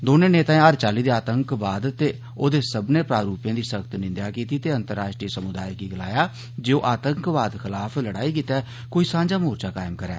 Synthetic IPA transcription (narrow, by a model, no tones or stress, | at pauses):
d̪oːnẽːneːt̪ãẽːəɾt͡ʃaːliːd̪eːaːt̪əŋkbaːd̪t̪eː | oːd̪eːsəbneːpɾaːɾuːpjãːd̪iːsəkt̪nɪ̃nd̪jaːkiːt̪iːt̪eːənt̪əɾaːʃʈɾiːsəmʊd̪a̰ːikiːɡəla̰ːjaː | d͡ʒeːoːʔaːt̪əŋkbaːd̪xʰɪlaːpʰləɽaːiːkiːt̪ɛː | koːiːsãːɲd͡ʒaːmoːɾt͡ʃaːkaːɪmkəɾɛ̰ː